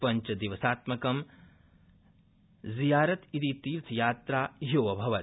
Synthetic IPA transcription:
pɐɲt͡ʃɐd̪iʋɐsaːt̪mɐkɐm | zijaːɾɐt̪it̪it̪iːɾt̪ʰjaːt̪ɾaːɦoːʋɐbʱɐʋɐt̪

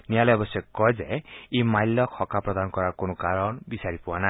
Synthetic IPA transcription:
nijaljɔbɔsjɔkkːɔjd͡ʒeimajlːɔkʰɔkapɾɔd̪anɔkɔɾaɾkonɔkaɾɔnbisaɾipuana

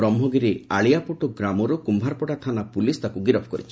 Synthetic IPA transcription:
ɾɔmbʱɔɡiɾea̰ɭijapuʈoɡɾamɔɾɔkumbʱaɾpɔʈat̪ʰanapulist̪akuɡiɾɔpʰɔkɔɾḭt͡ʃʰi̥

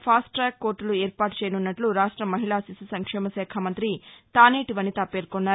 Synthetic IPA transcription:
pʰaːsʈɾaːkːo̞ːɾʈːulueːɾpaːʈu̥t͡ʃɛːjɐnunːɐʈluɾaːʂʈɾɐmɐɦiɭaːsisisɐŋkʂɛːmɐsɛːkʰamɐnt̪ɾit̪aːneːʈiʋɐnːit̪ɐpːeːɾkonːaːɾ

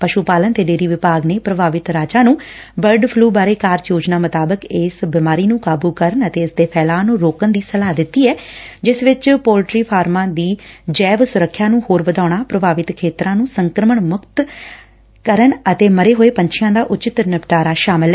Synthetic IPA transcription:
pəʃupaːlənt̪eːɖeːɾiːʋɪpaːɡneːpɾəbaːʋɪt̪ɾaːd͡ʒaːnũː | bəɾɖpʰluːbaːɾeːkaːɾjoːd͡ʒnaːmət̪aːbəkeːsbɪmaːɾiːnũːkaːbuːkəɾənət̪eːɪsd̪eːpʰɛːlaːnũːɾoːkənd̪iːsəlaːd̪ɪt̪ːiːɛːd͡ʒɪsʋɪt͡ʃpoːlʈɾiːpʰaːɾmãːd̪iːd͡ʒɛːʋsʊɾəkʰːjaːnũːhoːɾʋəd̪aːɽ̃aːpɾəbʱaːʋɪt̪kʰeːt̪ɾãːnũːsəŋkɾəməɳmʊkt̪ | kəɾənət̪eːməɾeːɦoːeːpəɲt͡ʃʰijãːd̪aːʔʊt͡ʃɪt̪nəpʈaːɾaːʃaːmɪlɛ

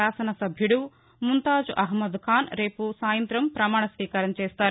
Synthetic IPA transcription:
aːsɐnɐsɐbʱjuɽu | munt̪aːd͡ʒuʔɐɦmɐd̪kʰaːnɾe̞ːpusaːjɐnt̪ɾɐmpɾɐmaːɳɐsʋiːkaːɾɐmt͡ʃeːst̪aːɾu

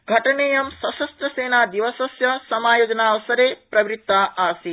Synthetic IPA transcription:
ɡʱɐʈɐɳeːjɐmsɐsɐst̪ɾɐseːnaːd̪iʋɐsɐsjɐsɐmaːjoːd͡ʒɐnaːʋɐsɐɾeːpɾɐʋɾit̪ːaːʔaːsi

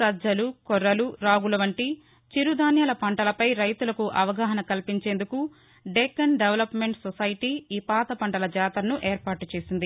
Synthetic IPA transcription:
ɐdd͡ʒɐlukɔɾːɐluɾaːɡulɐʋɐɳʈi | t͡ʃiɾud̪ʱaːnjɐlɐpɐɳʈɐlɐpɐjɾɐjt̪ulɐkuʔɐʋɐɡaːɦɐnɐkɐlpiɲt͡ʃe̞ːnd̪uku | ɖekɐnɖeʋlɐpmeɳʈsɔsɐjʈiiːpaːt̪ɐpɐɳʈɐlɐd͡ʒaːt̪ɐɾɐnuʔeːɾpaːʈut͡ʃe̞ːsind̪i

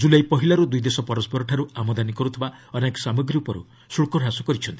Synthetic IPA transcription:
d͡ʒulejpɔɦilaɾud̪ujd̪esɔpɔɾɔspɔɾɔʈʰaɾuamɔd̪anikɔɾut̪ʰibaɔnekɔ̥samɔɡɾiupɔɾṵ | suɭkɔɽʱɦasɔkɔɾit͡ʃʰɔnt̪i̥

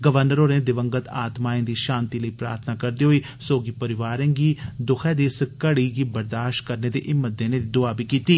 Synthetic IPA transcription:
ɡəʋəɾnəɾoːneːd̪ɪʋə̃ŋɡət̪aːt̪maːẽːd̪iːʃãːnt̪iːləiːpɾa̰ːɾt̪ʰnaːkəɾd̪iːɦoiː | soːɡiːpəɾɪʋaːɾɛ̃ːɡiːd̪ʊkʰɛ̃ːd̪isəkəɽiːɡiːbəɾd̪aːʃʈ̚kəɾneːd̪ḛːʔɪmːət̪̚d̪ẽːneːd̪id̪ʊaːbiːkiːt̪iː

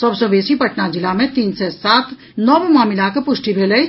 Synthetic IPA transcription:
sɐbsobeːsipɐʈnad͡ʒɪlamẽt̪iːnsesaːt̪ʰ | nɔːbmaːmɪlakɐpʊʃʈibʱeːlɐi

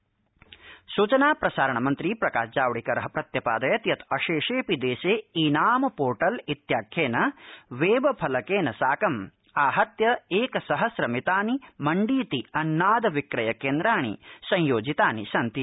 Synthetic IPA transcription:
suːt͡ʃɐnaːpɾɐsaːɾɐɳɐmɐnt̪ɾipɾɐkaːʃd͡ʒaːʋɽikɐɾɐɦɐpɾɐt̪jɐpaːd̪ɐjɐt̪jɐt̪ɐʃeːʂeːpid̪eːseːiːnaːmɐpoːɾʈɐlit̪jaːkʰjeːnɐʋeːʋɐpʰɐlɐkeːnɐsaːkɐm | aːɦɐt̪jɐeːkɐsɐɦɐsɾɐmit̪aːnimɐɳɖiːt̪iɐnːaːd̪ɐʋikɾɐjɐkeːnd̪ɾaːɳ̃ḭsɐ̃j̃joːd͡ʒit̪aːnḭsɐnt̪i

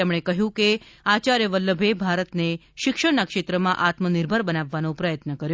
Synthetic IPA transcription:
emɽ̃ekəɦjũkeat͡ɕaɾjəʋəlːəbʱebʱaɾət̪neʃikʂəɽnakʂet̪ɾəmãʔat̪məniɾbʱəɾbənaʋːanõpɾəjət̪nəkəɾj

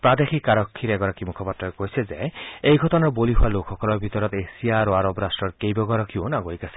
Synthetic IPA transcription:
pɾad̪exikːaɾɔkʰːiɾɛɡɔɾɔkʰimukʰɔpat̪ɾɔekoisʰezeejɡʱɔt̪ɔnɔɾboliɦualokʰɔkɔlɔbʱit̪ɔɾɔt̪esiaɾoaɾɔbɾasʈɾɔɾkejbɔɡɔɾɔkʰionaɡoikasʰi̥

